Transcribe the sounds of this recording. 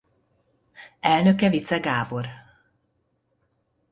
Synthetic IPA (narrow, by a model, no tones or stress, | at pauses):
ɛlnø̞kɛvit̪sɛɡaːbo̞r